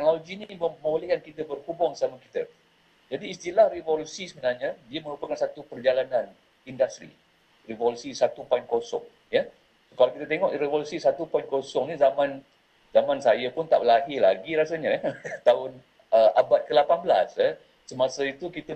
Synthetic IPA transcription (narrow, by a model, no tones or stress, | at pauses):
t̪ɛk̚noloɡiniməmolijankit̪əbərkubɔŋsamakit̪ə | d͡ʒadiːst̪ilahrivolusisəbənarɲãdiəməɾupakansat̪upərd͡ʒalanãn | indast̪ɾḭ | rivolusisat̪upankosɔ̰ŋ | jə | skalawkit̪at̪eŋɔʔɾevolusisat̪upainkosɔŋnizamãn | zamãnsajapʊnt̪aʔbəlaɦilaɡiɾasaɲat̪aʊn | əʔabat̪̚kəlapanbəla̰sə | səmasait̪ukit̪ə